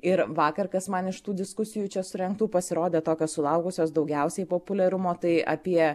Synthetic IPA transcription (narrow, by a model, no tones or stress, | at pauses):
ɪɾʋɑːkɐɾkɐsmɐnɪʃt̪uːd̪ʲɪskʊsʲɪjuːt͡ʃʲɛsʊɾʲɛŋk̚t̪uːpɐsʲɪɾoːd̪ʲeːt̪oːkʲoːssʊlˠɐʊkʊsʲoːsd̪ɐʊɡʲɛʊsʲɛɪpoːpʊlʲɛɾʊmoːt̪ɐɪʔɐ̰pʲiɛ